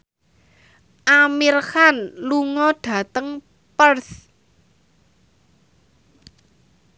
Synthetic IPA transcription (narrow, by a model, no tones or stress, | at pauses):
ʔamirxanluŋɔɖ̥a̤t̪əŋ | pərs